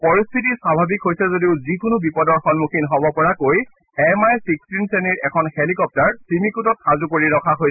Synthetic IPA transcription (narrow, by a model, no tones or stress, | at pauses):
pɔɹist̪ʰitisabʱabikɦojsɛzodiʊzikʊnʊbipɔdɔɹxɔnmukʰinɦɔbɔpɔɹakoj | ɛmajsikstinsɛniɹɛkʰɔnhelikɔp̚taɹsimikutɔtxazukoɹiɹɔkʰaɦoj